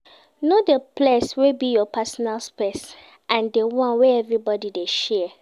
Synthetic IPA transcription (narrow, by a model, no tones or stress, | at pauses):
nodəpʰleswebijɔpɛsɔnalspɛs | ʔãndewɔ̃nwɛɛvɹibɔdideʃɛ